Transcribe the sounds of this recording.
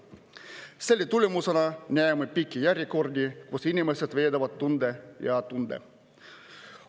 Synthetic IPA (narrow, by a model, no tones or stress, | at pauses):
selʲːit̪ulʲemusenɑnʲeæemepikʲːijæɾʲjikord̪ʲikusinʲimeset̪ʋeːd̪ɑʋɑt̪ːund̪ejɑt̪und̪ḛ